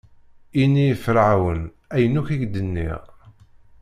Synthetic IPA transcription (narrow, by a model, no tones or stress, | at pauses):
inijəfɾaʕwən | æjənuçiʝd̪ənːḭʁ